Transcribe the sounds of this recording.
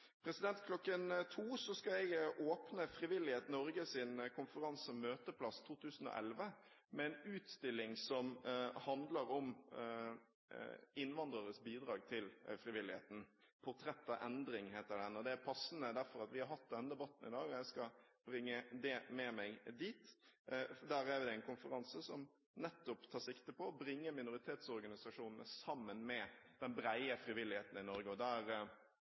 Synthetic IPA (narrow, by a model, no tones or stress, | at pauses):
pʰɾɛsɪd̪ɛnt̪kʰlɔkːənt̪ʰuːsɔskɑɛɪɡʔoːpnəfɾɪʋɪlːɪheːt̪nɔɾɡəsɪnkʰʊnfəɾɑnsəmøːt̪əpʰlɑst̪ʰuːt̪ʰʉːsən̩ɔ̰ːʔɛ̰lʋə | mɛɛnʉːt̪st̪ɪlːɪŋsɔmhɑnd̪ləɾɔm | ɪnːʋɑnd̪ɾəɾəsbiːd̪ɾɑːɡt̪ʰɪlfɾɪʋɪlːɪhḛːt̪n̩pʰʊɾt̪ʰɾɛt̪ːɑʔɛnd̪ɾɪŋheːt̪əɖ̪ɛnɔd̪ɛæɾpʰɑsnəd̪æɾfɔɾɑt̪ʋɪhɑɾɦhɑt̪̚ːd̪ɛnːəd̪əbɑt̪n̩ɪ̰d̪ɑːɾɡɔjæɪskɑb̥ɾɪŋːəd̪ɛmɛmæɪɡd̪iːt̪ | d̪æːɾæɾʋɪd̪ɛɛnkʊnfəɾɑnsəsɔm | nɛt̪ːʊpt̪ʰɑːɾʂɪkt̪əpɔːbɾɪŋːəmɪnʊɾɪt̪ʰeːt̪sɔɾɡɑnɪsɑʂuːnn̩ə̰sɑmːənmɛd̪̥ɛnbɾæɪəfɾɪʋɪlːɪheːt̪n̩ɪnɔɾɡəɔd̪æːɾ